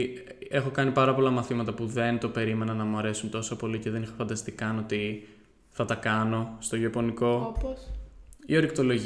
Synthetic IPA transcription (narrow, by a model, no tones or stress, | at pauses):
e̞xo̞kɐnipɐɾɐpo̞lɐmɐθimɐt̪ɐpuðe̞nt̪o̞pe̞ɾime̞nɐnːɐmuɐɾe̞sunt̪o̞sopo̞lice̞ðe̞nixofɐnd̪ɐst̪ikɐnot̪i | θɐt̪ɐkɐno̞st̪o̞ʝiɐpo̞niko̞op | io̞ɾik̚t̪o̞lo̞ʝ